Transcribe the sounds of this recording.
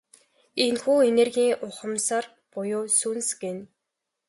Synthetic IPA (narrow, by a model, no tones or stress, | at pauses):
enxuːenerɣʲiːŋʔʊχə̆msar | pʊjʊːsunsɡen